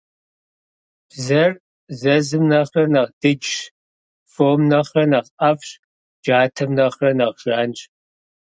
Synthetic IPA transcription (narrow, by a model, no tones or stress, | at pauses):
b̥zɐr | zɐzɨmnɐχrɐnɐʁd̥ɨd͡ʒʂ | foːmnɐχrɐnɐʁʔɐfɕ | d͡ʒaːtʰɐmnɐχrɐnɐʁʒ̥aːnt͡ʃʼ